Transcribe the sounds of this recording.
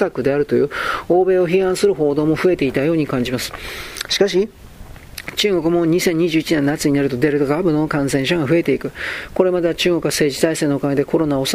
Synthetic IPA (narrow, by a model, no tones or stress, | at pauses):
akɯ̟d̪e̞aɾɯ̟t̪o̞jɯ̟ːo̞ːbe̞ːo̞çihãɰ̃sɨɾɯ̟ɦo̞ːd̪o̞ːmo̞ɸɯe̞t̪e̞it̪ajo̞ːɲ̟ikãɲ̟d͡ʑimasɨ̥ɕi̥kaɕ̬i | t͡ɕɨːɡo̞kɯ̟mo̞ɲ̟isẽ̞ɲ̟ːiʑɨːit͡ɕinẽ̞nːat͡sɨɲinaɾɯ̟t̪o̞d̪e̞ɾɯ̟t̪oaɡaabɯ̟no̞kãɰ̃sẽ̞ɰ̃ɕ̬aɡaɸɯ̟e̞t̪e̞ikɯ̟ko̞ɾe̞mad̪et͡ɕɨːŋɡo̞k̟βase̞ːʑizaise̞ːnookaɡed̪e̞kʰo̞ɾo̞nao̞s